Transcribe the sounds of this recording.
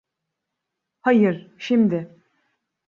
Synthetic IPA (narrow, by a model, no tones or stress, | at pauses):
hajɯɾʃimd̪ɪ